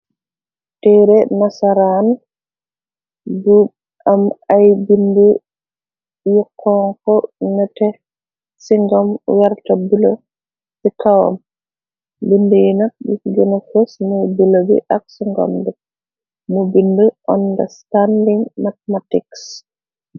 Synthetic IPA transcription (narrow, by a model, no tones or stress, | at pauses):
tɛɾɛnasaɾan | bub | ʔamajbindu | jɔkʰːɔŋkɔnɛtɛ | siŋɡɔmwaɾtabulɔ | sikawa̰m | bindujinaɗiɡɛnɔfɛsnɔbulobḭʔaksiŋɡɔ̰mdɛ | mubinduʔɔnda̰standiŋmatmatiks